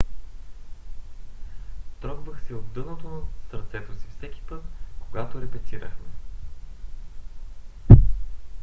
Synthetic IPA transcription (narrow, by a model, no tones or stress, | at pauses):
t̪ɾɔɡbəxsiod̪d̪ɤnot̪onɐsəɾt̪sɛt̪osifsɛkʲi̥pɤt̪koɡat̪oɾɛpɛt̪iɾə̰xmɛ